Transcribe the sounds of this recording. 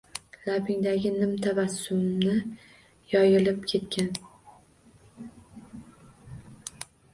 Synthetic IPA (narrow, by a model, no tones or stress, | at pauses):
labɪŋd̪aɡʲɪnɪmt̪ʰavasːʊmnɪ | jɒjɪlɪpkʲʰe̞t̪kʲʰan